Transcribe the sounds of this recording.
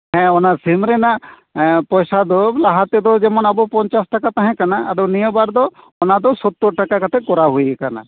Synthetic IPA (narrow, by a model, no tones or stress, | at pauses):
ɦɛ̃ɔnaɾsimɾena | pɔjsad̪ɔlaɦat̪ed̪ɔd͡ʒɛmɔnabɔpɔɲt͡ʃasʈakat̪aɦɛ̃kanaʔad̪ɔwnijɔbaɾd̪ɔ | ɔnad̪ɔsɔt̪ːoɾʈakakat̪ʰekɔɾaɦujekana̰